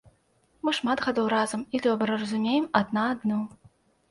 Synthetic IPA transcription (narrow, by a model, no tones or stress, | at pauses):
mɨʂmad̪ɣad̪ɔwɾazɐmid̪ɔbɾɐrɐzumʲejɛmad̪naːd̪nɔ